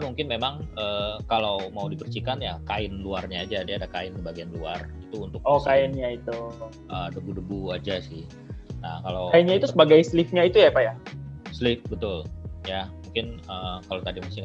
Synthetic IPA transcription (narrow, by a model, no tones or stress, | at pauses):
muŋkɪnmemaŋəːkalawmaudipərt͡ʃikanjakaɪnluarɲaːd͡ʒadiadakaɪnsəbaɡianluarit̪uːnt̪ʊkokaɪnɲait̪u | ʔəːdəbudəbuad͡ʒasɪh | nakalawainɲait̪ussəbaɡajslɪfɲait̪ujaipajaslɪfbət̪ʊljamuŋkɪnəːkalawt̪adimasɪ